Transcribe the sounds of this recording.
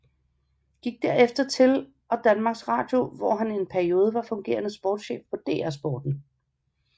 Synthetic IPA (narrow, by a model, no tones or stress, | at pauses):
ɡ̥iɡ̥̚d̥æɐ̰efd̥ɐt͡sʰe̝l | ʔɒ̽d̥ænmɑ̈ɡ̥sʁɑ̰̈ːd̥jo̝ʋɒɦænie̝npʰæɐio̝ːð̞ˠəʋɑ̈fɔ̽ŋɡ̥e̝̰ːɐnəsb̥ɒ̰ːd̥ɕḛːfpʰɒ̽d̥e̝̰ːæɐsb̥ɒːd̥n̩